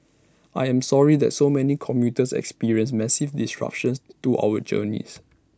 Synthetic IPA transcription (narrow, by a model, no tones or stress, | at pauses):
ʔajɛ̃msɔɹidɛ̰t̚somɛnikʰɔ̃mjutəsɛ̰kspiɹiə̃ns̬mɛsivdisɹa̰p̚ʃə̃nstuʔa̰wəd͡ʒə̰nḭs